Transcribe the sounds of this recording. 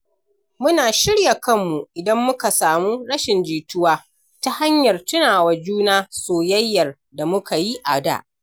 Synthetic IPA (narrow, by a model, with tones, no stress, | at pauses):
mʊ˦naː˨ʃɪ˦ɽja˨kɐ˦mːu˨ʔɪ˨dɐ˦mːʊ˦ka˨saː˨muː˦ɽɐ˦ʃɪ˨nd͡ʒiː˨tʊ˦waː˦ | ta˦ha˦ɲjɐ˨rtʊ˦naː˨wa˨d͡ʒuː˦naː˦soː˨jɐ˦jːɐ˨r | da˨mʊ˦ka˨ji˦ʔa˨da̰˦˨ʔ